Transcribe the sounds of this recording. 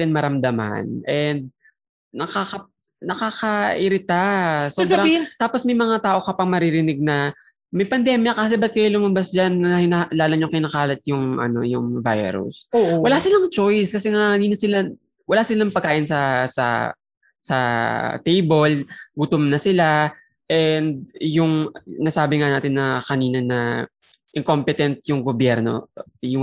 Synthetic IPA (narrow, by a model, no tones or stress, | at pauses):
ɪnmɐɾɐmd̪ɐma̰nʔɛnd̪̚ | nɐkakɐ | nɐkaːkɐʔɪɾɪt̪asobɾɐbit̪aːposmɐjmɐŋat̪aːʔo̞kɐpaŋmɐɾiɾɪnɪɡ̚nɐ | mɐjpɐnd̪ɛmjɐkaːs̬ɛbɐt̪̚kɐjalʊmɐmbasd͡ʒanɐhɪnalaːlʊŋɲʊŋkɪnaːkaːlɐt̪̚jʊŋʔɐ̰no̞̰jʊ̰ŋva̰jɾʊ̰soːʔwɐlasɪlɐŋt͡ʃojskɐsɛŋaɐniːnɐsɪla | wɐlasɪlɐŋpɐɡkːaːʔɪnsɐsɐ̰ | sɐ̰t̪ejbolɡʊt̪omnɐsɪla | ʔɛnd̪̚jʊŋnasaːbɪŋanaːt̪ɪnːɐkɐniːnɐnɐ | ʔɪŋko̞mpɛt̪ɛnt̪̚jʊŋɡobjɛɾno̞̰ | jʊŋ